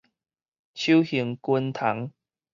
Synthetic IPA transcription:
t͡ɕʰu˦whi˨˦ŋkwə˦nt̪ʰa˨˦ŋ

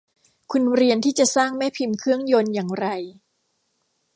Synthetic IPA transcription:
kʰu˧nɾi˧ənt̪ʰiː˥˩t͡ɕa˨˩saː˥˩ŋmɛː˥˩pʰi˧mkʰɯ˥˩əŋjo˧njaː˨˩ŋɾa˧j

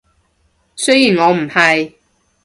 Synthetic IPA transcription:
sɵ˥ɥjiː˨˩nŋɔː˨˧m̩˨˩hɐ˨j

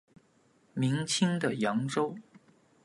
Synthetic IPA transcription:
mi˧˥ŋt͡ɕʰi˥ŋd̪ə˨jɑ˧˥ŋʈ͡ʂo˥ʊ

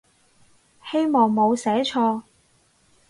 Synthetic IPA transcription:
he˥jmɔː˨˩ŋmo˨˧wsɛː˨˥t͡ʃʰɔː˧

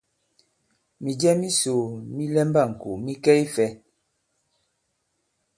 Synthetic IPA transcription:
mi˨d͡ʒɛ˦mi˦so˨mi˦lɛ˦mba˦˨ŋ̩˨ku˨mi˦kɛ˦i˦fɛ˦

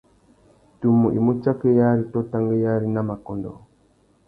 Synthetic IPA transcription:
tu˨mu˨ʔḭ˨mu˦t͡ʃa˦ke˦ja˦ɾi˨˦to˦ta˦ŋɡe˦ja˦ɾi˦na˦ma˨kɔ˨ndɔ̰˨

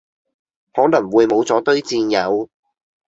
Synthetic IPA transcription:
hɔː˨˥lɐ˨˩ŋwuː˨˧jmo˨˧wt͡sɔː˨˥t̪ɵ˥ɥt͡siː˧njɐ˨˧w

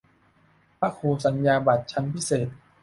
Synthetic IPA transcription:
pʰa˦˥kʰoː˧sa˩˦njaː˧ba˨˩t̪̚t͡ɕʰa˦˥npʰi˦˥seː˨˩t̪̚

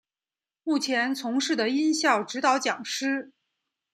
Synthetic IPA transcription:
mu˥˩t͡ɕʰjɛ˧˥nt͡sʰʊ˧˥ŋʂɻ̩˥˩d̪ə˩i˥nɕjɑ˥˩ʊʈ͡ʂɻ̩˧˥t̪ɑ˧˥ʊt͡ɕjɑ˨˩ŋʂɻ̩˥

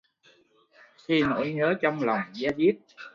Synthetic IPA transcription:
xi˧no̰˧˥jɲəː˨˦t͡ɕɔ˧wŋ͡mla˨˩wŋ͡mzaː˧zi˦˥p̚

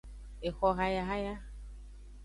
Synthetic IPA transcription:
e˨xʷɔ˧ɣa˧ja˧ɦa˦ja˦

